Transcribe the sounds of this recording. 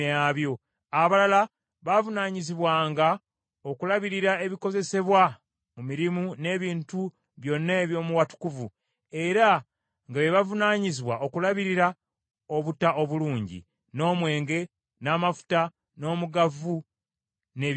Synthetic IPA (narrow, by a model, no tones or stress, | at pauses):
jaβjo̞ | aβalala | βavunaːɲiziβwaːŋɡa | okulaβiɾiɾae̞βiko̞ze̞se̞βwa | mumiɾimune̞ːβiːntu | βjo̞nːaeːβjo̞ːmuwatu̥kuvu | e̞ɾa | ŋɡaβe̞βavunaːɲiziβwaʔo̞kulaβiɾiɾa | o̞βutaʔo̞βuluːɲɟḭ | no̞ːmwe̞ːŋɡe̞ | naːmafu̥ta | no̞ːmuɡavu | ne̞ː